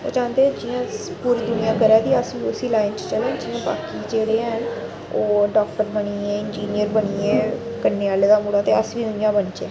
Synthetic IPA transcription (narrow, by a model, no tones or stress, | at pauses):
o̰ːd͡ʒãːnd̪eːd͡ʒijãː | puːɾiːd̪ʊnɪjãːkəɾɛːd̪iːəsʋiːʊsiːlaːɪnst͡ʃəlɛ̃ːnd͡ʒɪjãːba̰ːkiːd͡ʒeːɽeːən | oːɖɔːk̚ʈəɾbəɳiːeːɪnd͡ʒiːnɪjəɾbəɳiːeː | kənːeːaːleːd̪aːmuːɽaːt̪eːəsʋiːd̪ʊnɪjãːbənt͡ʃeː